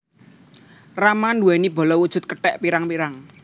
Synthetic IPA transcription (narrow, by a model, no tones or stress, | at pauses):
ramanduwɛnibɔ̤lɔwud̥ʒ̥ʊ̤t̪̚kəʈɛʔpiɾaŋpiɾaŋ